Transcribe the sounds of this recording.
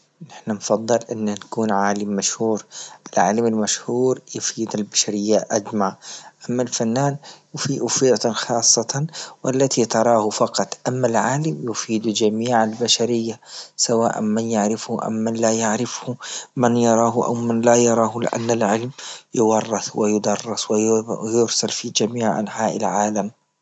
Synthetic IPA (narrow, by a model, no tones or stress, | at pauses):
nɪħnanfɑðˤːɨlʔɪnːnakuːnʕaːlɪmːaʃhuːɾʔɪlʕa̰lɪmalmaʃhuːɾjʊfiːd̪albaʃaɾɪjːaʔad͡ʒmaʕʔamːalfanːaːnfiʔʊfiːt̪nxɑːsˤːɑt̪ɑnwʔalːat̪it̪ɑɾˤɑːhʊfɑqɑt̪ˤʔamːalʕaːlɪmjʊfiːd̪d͡ʒamiːʕalbaʃaɾɪjːasawa̰ːʔa̰nmanjaʕɾɪfhʊʔa̰mːanlaːjaʕɾɪfhʊmanjɑɾˤɑːɦʊʔa̰wmanlajɑɾˤɑːhʊlɪ̰ʔa̰nːalʕɪlmjɪwɑrˤːɪθwɪjʊd̪ɑrˤːɑswɪjʊɾsalfid͡ʒamiːʕʔa̰nħaːʔɪlʕaːlam